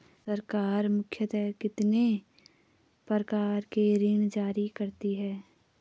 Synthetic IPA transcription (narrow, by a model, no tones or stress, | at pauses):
sɐɾkaːɾmʊkʰːjət̪ɛːkɪt̪ne | pəɾkaːɾkeɾɪɳ̃d͡ʒaːɾikɐɾt̪iɦɛː